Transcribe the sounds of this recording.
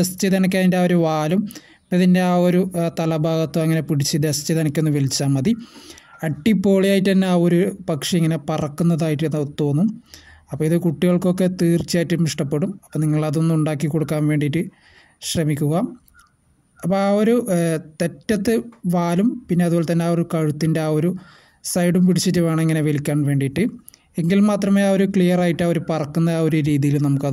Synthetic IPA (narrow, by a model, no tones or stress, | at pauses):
d̪est͡ɕiðɐnɐk̬ʲːaːindeaːoɾuʋaːlum | ipːɐt̪inde̞aːoɾut̪ɐlɐbʱaːɣɐt̪ːoɐŋːɐnepiɽit͡ɕːɨd̪ɐst͡ɕːiðɐɳɐkʲːo̞nːuʋelit͡ɕːaːmːɐd̪iɐʈːipːo̞ːɭijaːjiʈːt̪ɐnːe̞aːoɾupɐkʂeiŋːɐne̞pɐrɐkːunːɐðaːjiʈːenːt̪ːo̞ːnːum | ɐpːoːiðɨkuʈːiɣɐɭko̞kːe̞t̪iːrt͡ɕːijaːjiʈːɨmiʂʈɐpːe̞ɽumɐpːoːniŋːɐɭɐðonːmuɳɖaːkːikːo̞ɽukːaːnʋeːɳɖiʈːɨ | ɕrɐmikʲːuɣɐ | ɐpːoaoɾut̪e̞tːɐt̪ːɨʋaːlumpinːe̞ɐðuʋoːlet̪ɐnːeaːoɾukɐɻut̪ːindeaːoɾu | sɐjɽumpiɽit͡ɕːitːuʋaːɳeŋːɐne̞ʋelikʲːaːɳʋe̞ːɳɖiʈːɨ | eŋɡilmaːt̪rɐmeao̞ɾukɭijɐraːjiʈːaːo̞ɾupɐrɐkːunːɐðaːo̞ɾuɾiːðijilnɐmukːɐð